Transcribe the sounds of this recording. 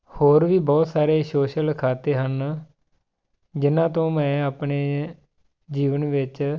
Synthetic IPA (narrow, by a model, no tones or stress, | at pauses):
hoːɾʋiːbɔːt̪saːɾeːsoːʃəlkʰaːt̪eːɦən | d͡ʒɪnãːt̪õːmɛ̃ːaːpɳeː | d͡ʒiːʋənʋɪt͡ʃ